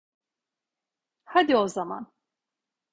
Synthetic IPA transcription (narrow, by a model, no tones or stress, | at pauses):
had̪io̞zama̰n